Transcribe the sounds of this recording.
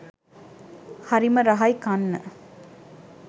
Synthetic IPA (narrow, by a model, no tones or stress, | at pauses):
hɐɾimɐɾɐɦɐjkɐnːɐ